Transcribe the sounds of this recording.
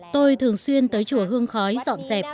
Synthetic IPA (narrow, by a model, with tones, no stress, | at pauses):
t̪o˧jt̪ʰɨ˨˩əŋswi˧ənt̪əː˨˦jt͡ɕu˧˩əɦɨ˧əŋxɔ˨˦jzɔ̰˧˨nzɛ˨˩p̚